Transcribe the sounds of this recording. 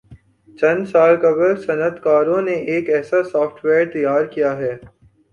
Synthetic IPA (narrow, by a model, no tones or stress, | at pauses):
t͡ʃɐ̃nsaːlkɐbəɾsɐnət̪kaːɾõneʔeːkɛːsasɔːfʈʰweːɾt̪ɐjaːɾkijaɦɛː